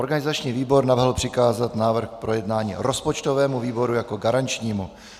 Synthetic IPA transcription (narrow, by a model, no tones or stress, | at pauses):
ʔoɾɡanɪzat͡ʃɲiːviːbo̞ɾnavɦl̩pr̝̥ɪkaːzat̪naːvr̩xpɾo̞jɛdnaːɲḭːɾo̞spot͡ʃt̪ovɛːmuviːbo̞ɾujako̞ɡaɾant͡ʃɲiːmu